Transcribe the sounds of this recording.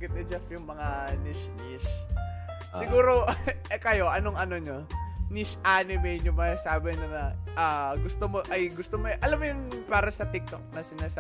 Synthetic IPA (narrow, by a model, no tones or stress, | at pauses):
ɡɪt̪̚ɪd͡ʒɐfjʊŋmɐŋanɪʃniʃ | sɪɡuːɾo̞kɐjo̞ʔɐno̞ŋʔɐnoɲoniʃʔanɪmɛjɲʊŋmɐasaːbɛɲonɐʔaɡʊst̪omoʔɐjɡʊst̪omoʔɐlamːojʊŋpaːɾɐsɐt̪ɪk̚t̪o̰k̚nɐsɪnaːsa